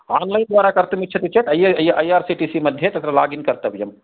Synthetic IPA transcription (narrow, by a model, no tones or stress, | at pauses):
aːnlaːind̪ʋaːɾakɐɾt̪mit̪̚ːt͡ʃʰɐt̪it͡ʃʰet̪ɐjeɐjʔɐjaːɾsiʈisimɐd̪ʱjet̪ɐt̪ɾalaːɡinkɐɾt̪əbjɐm